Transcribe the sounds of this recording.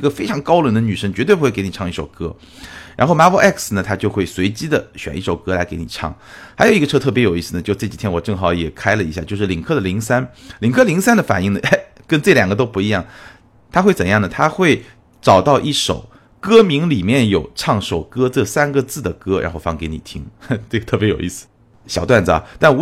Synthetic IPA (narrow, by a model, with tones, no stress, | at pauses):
ɡə˧fe˥ɪʈ͡ʂʰɑ˧˥ŋkɑ˥ʊlwə˧˥nd̪ə˧ny˨˩ʂə˥ŋt͡ɕɥɛ˧˥t̪we˥˩pu˥wke˥ni˨˩ɑ˥˧ŋi˥˩ʂo˨˩ʊkɤ˥ | ɻa̰˧˥nxo˥˩ʊma˥wɔ˥ʔɛ˥˩ksnə˩t̪ʰa˥t͡ɕjo˥˧xwe˥˩ɪswe˧˥ɪt͡ɕi˥d̪ə˨ɕɥɛ̰˨˩ni˥˩ʂo˨˩ʊkɤ˥la˧˥ɪke˧˥ni˨˩ʈ͡ʂʰɑ̰˥˩ŋ | xa˧˥ɪjo˨˩ʊi˧ɡə˧ɤ˥t̪ʰɤ˥˩pjɛ˧˥jo˨˩i˥˩sɹ̩˧˩n˩t͡ɕjo˥˧ʊ˥ʈ͡ʂɤ˥˩t͡ɕi˨˩t̪ʰjɛ˥nwɔ˨˩ʈ͡ʂɤ˥˩ŋxɑ˧˥ʊjɛ˨˩kʰa˥ɪlə˨i˧˥ɕja˥˧t͡ɕjo˥˧ʊʂɻ̩˥˩li˨˩ŋkʰɤ˥˩d̪ə˩li˧˥ŋsa˥nli˨˩ŋkʰɤ˥˩li˧˥ŋsa˥nd̪ə˨fa˨˩ni˥˩ŋnə˩e˥ɪkə˥nʈ͡ʂɤ˥˩ljɑ˨˩ŋɡə˦t̪̬o˥ʊpu˧i˧˥jɑ˥˩ŋ | t̪ʰa˥xwe˥˩ɪt͡sə˨˩njɑ˥˩ŋnə˩t̪ʰa˥xwe˥˩ɪ | ʈ͡ʂɑ˨˩ʊt̪ɑ˥˧ʊʔi˥˩ʂo̰˨˩˦ʊ | kɤ˥mi˧˥ŋli˨˩mjɛ˥˩njo˨˩ʊʈ͡ʂʰɑ˥˩ŋʂo˨˩ʊkɤ˥ʈ͡ʂɤ˥˩sa˥nɡə˧t͡sɹ̩˥˩d̪ə˩kɤ˥ɻʔa̰˧˥nxo˥˩ʊfɑ˧˥ŋke˧˥ɪni˨˩t̪ʰi˥ŋʈ͡ʂɤ˥˩ɡət̪ʰɤ˥˩p̬jɛ˧˥jo˨˩ʊi˥˩sɹ̩˧˦ | ɕjɑ˨˩ʊt̪wa˥˩nd͡z̩˩a̰˩t̪a˥˩n˧˥